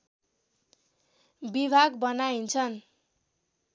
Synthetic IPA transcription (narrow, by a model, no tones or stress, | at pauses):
bibʱaɡbʌnaint͡sʰʌn